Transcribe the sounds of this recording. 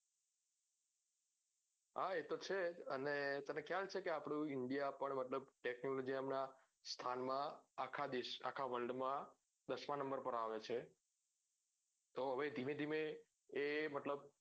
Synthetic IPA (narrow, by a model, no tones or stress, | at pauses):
ɦaet̪ot͡ʃʰeənet̪ənekʰjalt͡ʃʰekeapɽũɪɳɖijapəɳmət̪ləbʈeknolod͡ʒiamna | st̪ʰanmãakʰad̪iʃa̰kʰaʋəlɖmã | d̪əʃmãnə̃mbəɾpəɾaʋet͡ʃʰe | t̪oɦəʋed̪ʱimẽd̪ʱimẽː | mət̪ləb̚